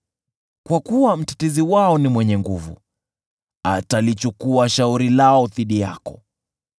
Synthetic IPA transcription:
kwakuwam̩tḁtiziwaɔnimwɛɲɛŋɡuvṵ | atalit͡ʃukuaʃauɾilaɔθiɗija̰kɔ̰

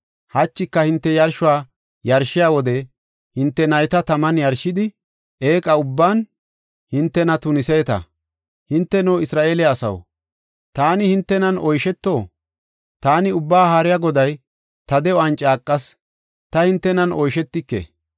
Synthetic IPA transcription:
hɐt͡ʃːɪkːɐhɪnt̪ːɛjɐɾʃʊwaː | jɐɾʃːɪjaːwɔd̪ɛ | hɪnt̪ːɛnɐjt̪ɐt̪ɐmɐnjɐɾʃɪd̪ɪ | eːkʼɐʊbːaːn | hɪnt̪ːɛnɐt̪ʊnɪsɛːt̪ɐ̰ | hɪnt̪ːɛnoːɪsɾaːʔe̞ːlɪːsɐ̰w | t̪aːnɪhɪnt̪ːɛnɐnʔɔjʃɛt̪ːo̞ː | t̪aːnɪʊbːaːhaːɾɪjaːɡɔd̪ɐj | t̪ɐd̪ɛɔɐnt͡ʃʼaːkʼːɐs | t̪ɐhɪnt̪ːɛnɐnɔjʃɛt̪ːɪkːḛ

